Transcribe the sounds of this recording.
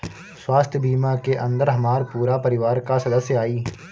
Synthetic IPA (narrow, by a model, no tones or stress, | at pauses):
swaːst̪ʰjbiːmakeʔɐ̃nd̪əɾɦɐmaːɾpuːɾapɐɾɪʋaːɾkasɐd̪əsjəaːiː